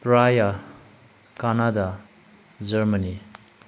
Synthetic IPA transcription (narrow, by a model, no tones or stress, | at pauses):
pɾaja | kanada | d͡ʒəɾməni